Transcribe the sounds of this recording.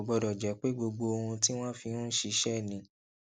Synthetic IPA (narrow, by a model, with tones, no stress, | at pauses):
bɔ˧dɔ˨d͡ʒɛ˨˦k͡pe˦ɡ͡bo˧ɡ͡bo˧o˧hũ˧ti˦w̃ɔ̃˦fi˧hũ˦ʃi˧˦ʃɛ˦˨nĩ˨˦